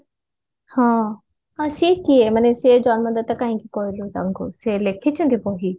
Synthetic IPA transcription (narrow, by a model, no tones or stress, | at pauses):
hãː | asiːkːiemɐnẽsed͡ʑaːnmɐ̃nd̪ət̪ːɐkãːɦĩkikoːilot̪ɐ̃ŋɡʱo̰selekʰet͡ɕʰə̃nd̪ipoːɦiː